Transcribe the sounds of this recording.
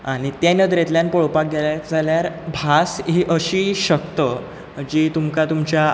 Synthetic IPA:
aɽ̃it̪janəd̪ɾet̪ljanpoɭpak̚ɡeljad͡zaljaɾbʱasɦiːʔəɕiːɕəkt̪ə | d͡ʑiːt̪umkat̪umt͡ɕa

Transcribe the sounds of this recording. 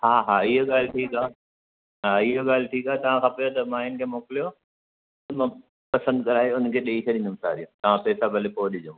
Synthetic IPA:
haːɦaːɪɦoɠaːlʈʰiːkaː | ɦaːɪɦoɡaːlʈʰiːkaːt̪ɐʋ̤ãkʰãpɐjot̪ɐmaːɦɪnkʰeːmoːkɪlijo | t̪ɐmã | pɐsə̃nd̪kɐɾaːeʊnəkʰeːɗɐikʰɐɗɪ̃nd̪ʊ̃msa̰ːɾijũt̪ɐʋ̤ãpɛːsabʱɐlepoːɗɪd͡ʑʊ̃

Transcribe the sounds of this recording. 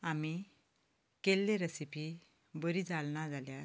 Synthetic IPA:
ami | kelːeɾəsipi | bəɾid͡zalnad͡zalja

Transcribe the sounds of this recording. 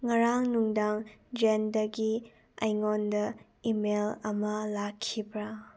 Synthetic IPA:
ŋɐɾaŋnuŋdaŋd͡ʒendɐɡi | ɐjŋondɐ | imelɐmɐlakʰːibɾa

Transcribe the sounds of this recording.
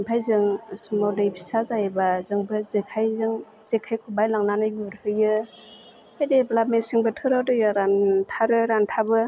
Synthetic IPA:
mpʰajzɯŋsumawdajbʰi̥sazajebazɯŋbɯzekʰajzɯŋz̥ekʰajkʰubajlaŋnanɯjuɾhɯjɯ | ajdeblamesiŋbɯtʰɯɾawdɯjɯɾantʰaɾɯɾantʰabɯ

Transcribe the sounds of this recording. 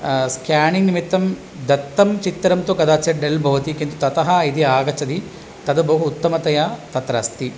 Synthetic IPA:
skjaːniŋɡnimit̪ːɐm | d̪ɐt̪ːɐmt͡ʃit̪ːɐɾɐmt̪ukɐd̪aːt͡ʃjɐɖɐlbʱɐʋɐt̪ikint̪ut̪ɐt̪ɐɦɐid̪iaːɡɐt͡ʃɐd̪i | t̪ɐd̪ɐbɐɦuːt̪ːɐmɐt̪ɐjat̪ɐt̪ɾa̰ːst̪i

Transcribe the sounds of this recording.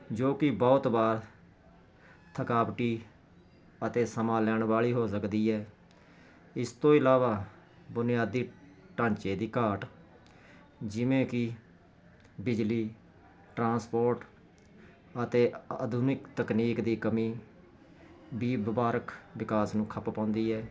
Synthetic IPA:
d͡ʒoːkɪbɔːt̪baːɾ | t̪ʰəkaːʋʈiː | ət̪eːsəmãːlɛːɳʋaːɭiːɦoːsəkd̪iːɛː | ɪst̪õːɪlaːʋaː | bʊnɪjaːd̪iː | ʈãːnt͡ʃeːd̪iːkaːʈ | d͡ʒɪʋẽːkɪ | bɪd͡ʒliː | ʈɾãːspoːɾʈ | ət̪eːəd̪ʱuːnɪkt̪əkniːkd̪iːkəmĩː | biːbəbaːɾəkʋɪkaːsnũːkʰəppãːʊ̃nd̪iːɛː

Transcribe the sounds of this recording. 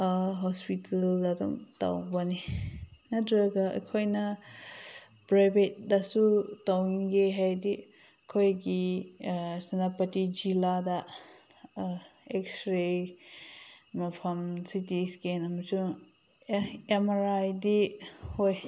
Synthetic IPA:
ɦɔspitʰaldadɔ̰mta̰wbaninadɾaɡaʔɐ̰kʰojnɐ | pɾajbet̚dasutawiŋɡeɦajdi | kʰojɡi | sanapɐtid͡ʒilada | ekstɾe | mɐpʰɐmsitiskenɐmɐsu | emaɾajdihoj

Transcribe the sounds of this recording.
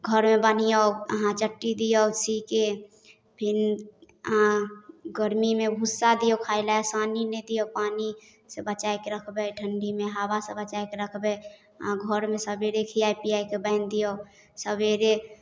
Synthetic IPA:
ɡʱəɾmebən̤ijɔwə̰ɦãt͡ʃəʈːid̪ijɔwsike | pʰin | ɦãɡəɾmimebʱusːad̪ijɔwkʰaɪlaesaninɛd̪ijopaːni | sə̃bət͡ʃaekeɾəkʰbɛʈʰəɳɖimeɦabasəbət͡ʃaekeɾəkʰbɛ | ɦãɡʱəɾmesəbeɾekʰiapijajkebəɪnd̪ijɔ | səbeɾe

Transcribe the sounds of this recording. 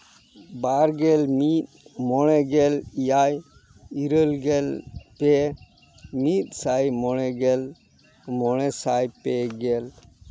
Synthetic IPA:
baɾɡɛlmit̪̚mɔɽ̃ɛɡɛlijaj | iɾəlɡɛlpɛ | mit̪̚ˀsajmɔɽ̃ɛɡɛl | mɔɽ̃ɛsajpɛɡɛl

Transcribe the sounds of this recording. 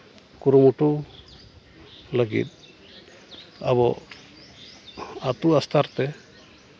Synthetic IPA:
kuɾumuʈu | ləɡḭt̪̚ | a̰bɔ | at̪uast̪ʰaɾt̪ɛ

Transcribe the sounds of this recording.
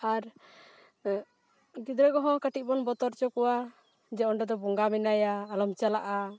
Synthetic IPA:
aɾ | ɡid̪ɾɔɡɔɦɔ̃kaʈiˀbɔnbɔt̪ɔɾt͡ʃɔkɔwa | d͡ʒɛɔɳɖɔd̪ɔbuŋɡamɛnajaːlɔmt͡ʃalaʔa

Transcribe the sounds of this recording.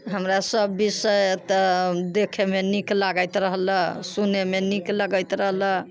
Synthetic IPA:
ɦəmɾasəbːisəjt̪d̪ekʰemeniklaɡəjt̪ɾəɦləɦsunemenikləɡəjt̪ɾəɦlə

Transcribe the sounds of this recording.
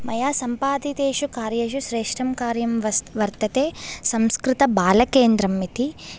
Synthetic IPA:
mɐjaːsɐmpaːd̪it̪eːʃukaːɾjɐʃuʃɾeːʂʈɾɐmkaːɾjɐmʋɐɾt̪ɐt̪eːsɐmskɾɪt̪ɐbaːlɐkeːnd̪ɾɐmːit̪i

